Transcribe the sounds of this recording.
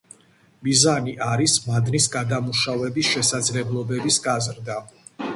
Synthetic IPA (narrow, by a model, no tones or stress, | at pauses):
mizaniʔaɾismad̪nisɡad̪amuʃavɛbisʃɛsad̪zlɛblˠɔbɛbisɡazɾd̪a